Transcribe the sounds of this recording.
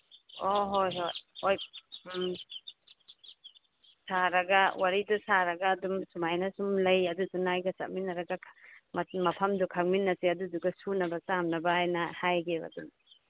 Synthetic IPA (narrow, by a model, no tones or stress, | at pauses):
oɦojɦojoj | saɾɐɡɐwʔaɾidusaɾɐɡɐːdumsumajnɐsumlɐjɐdudunajɡɐsa̰t̚minːɐɾɐɡa | mɐpʰɐmdukʰaŋ̚minːɐsiɐduduɡɐsunɐbɐsamnɐbaːjnɐhajɡea̰dum